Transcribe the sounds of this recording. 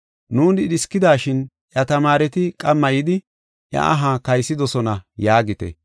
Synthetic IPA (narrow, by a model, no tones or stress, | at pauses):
nuːd̪ɪɗɪskːɪd̪aːʃɪn | ʔjɐt̪ɐmaːɾɛt̪ɪkʼɐmːɐjɪd̪ɪ | ʔjɐ̰ʔɐɦakɐjsːɪd̪ɔsɔnɐjaːɡɪt̪ɛ̰